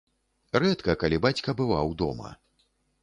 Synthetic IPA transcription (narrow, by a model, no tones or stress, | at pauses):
rɛt̪kɐkalʲibat͡sʲkɐbɨvawd̪ɔ̰mɐ̰